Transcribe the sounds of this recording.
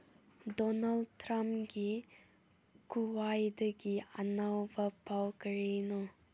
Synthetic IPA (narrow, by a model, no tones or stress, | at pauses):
dɔnald̚tɾampɡi | kuwajd̪əɡianawbapawkəɹenɔ